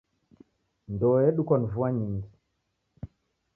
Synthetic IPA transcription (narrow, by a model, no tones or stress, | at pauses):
ndɔjɛɗukɔnuvuaɲiŋɡi